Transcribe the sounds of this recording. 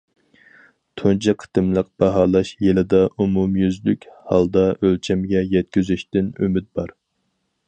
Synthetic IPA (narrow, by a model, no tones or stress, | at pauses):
t̪ʰont͡ʃʰɑqʰə̥t̪ɨmlˠəq̚b̥ɑɦɑːlˠɑʃjelɪd̪ɑʔumumjyzlykʲhɑlˠd̪ɑʔølt͡ʃʰɛmɡʲɛjɛt̪̚kʲyzyʃt̪ɪnømɪt̪̚bɑɾ